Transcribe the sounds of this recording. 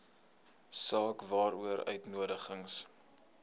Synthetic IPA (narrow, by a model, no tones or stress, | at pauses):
sɑːkvɑːɾuəɾœ̰ɥtnuədəχəŋs